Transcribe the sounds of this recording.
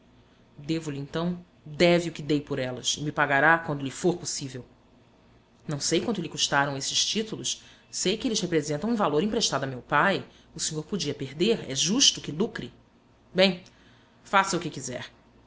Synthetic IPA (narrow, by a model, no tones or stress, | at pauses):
d̪evʊlɪẽnt̪ɐ̃w̃ | d̪ɛviʊkɪd̪ejpʊɾɛlɐ̰sɪmɪpaɡaɾakwɐ̃nd̪ʊlɪfoɾposivew | nɐ̃w̃sejkwɐ̃nd̪ʊlɪkuʃt̪aɾɐ̃w̃esɪʃt͡ʃit̪ulʊʃ | sejkɪelɪshepɾezẽnt̪ɐ̃w̃ũvaloɾĩpɾeʃt̪ad̪ʊamewpaj | ʊsĩɲoɾpod͡ʒiɐpeɾd̪eɾɛ̰ʒuʃt̪ʊkɪlukɾɪ | bẽj̃ | fasɐukɪkizɛ̰ɾ